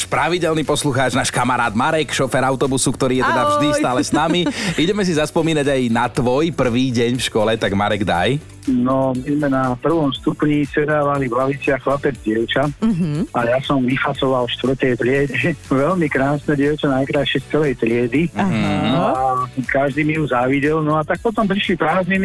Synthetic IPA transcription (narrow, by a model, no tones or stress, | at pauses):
ʃpɾaʋiɟɛlniːpɔsluxaːd͡ʒnaːʃkamaɾaːd̪maɾɛkʃɔfɛɾaʊt̪ɔbusukt̪ɔɾiːjɛt̪ɛd̪avʒd̪ist̪aːlɛsnamiiɟɛmɛs̬izaspɔmiːnaɟajnat̪ʋɔjpr̩ʋiːɟɛɲfʃkɔlɛt̪aɡmaɾɛɡd̪a̰j | nɔmizmɛnapr̩ʋɔmst̪upɲisɛd̪aːʋalivlaʋit͡sɪaxlapɛd͡zɟɪɛʊt͡ʃaɦʔajasɔmʋifat͡sɔʋalʃt̪ʋr̩t̪ɛjt̪ɾɪɛɟɛʋɛlmikɾaːsnɛɟɪɛʊt͡ʃanajkɾaʃɛst͡sɛlɛjt̪ɾɪɛd̪iɦakaʒd̪iːmiɦuzaʋiɟɛlnɔat̪ak̚pɔt̪ɔmpɾiʃlipɾaːznimi